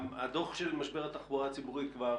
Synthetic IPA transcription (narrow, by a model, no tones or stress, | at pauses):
ad̪o̞χʃelmaʃbeʁat̪aχboʁat͡sibuʁitkva